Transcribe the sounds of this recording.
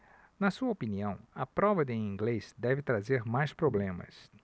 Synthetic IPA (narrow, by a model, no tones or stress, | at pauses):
nɐsuɐopiniɐ̃w̃ɐpɾɔvɐd̪ẽĩŋɡlezd̪ɛvɪt̪ɾazeɾmajspɾoblẽmɐ̰s